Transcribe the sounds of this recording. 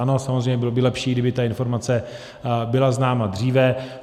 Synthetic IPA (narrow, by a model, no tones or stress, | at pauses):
ano̞samozɾrejɲɛbɪlobɪlɛpʃiːɡdɪbɪt̪aɪnfo̞ɾmat͡sɛ | bɪlaznaːmadr̝iːvɛ